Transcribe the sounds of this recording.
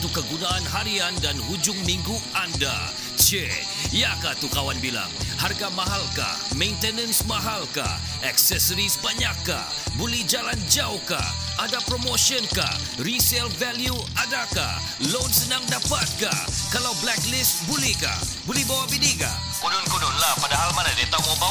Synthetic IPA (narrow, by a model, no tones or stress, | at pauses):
t̪ukːəɡunaːnɦaɾiandanɦud͡ʒʊŋmiŋɡu | anda̰ | t͡ʃɛ | jakat̪ukawanbila̰ŋharɡamaɦalka̰ | mẽjnt̪ɛnənsmaɦalka̰ | ɛksɛsəɾisbaɲakːa̰ | bolɛhd͡ʒaland͡ʒawka̰ | adapɾomoʃiɔnka̰ | risɛlvɛlju | adaka̰ | lonsənaŋdapat̪̚ka̰kalawblɛklɪst̪̚bulɛhka̰ | bolɛhbawabinika̰ | kunɔnkunɔnlahpadaɦalmanadit̪awoba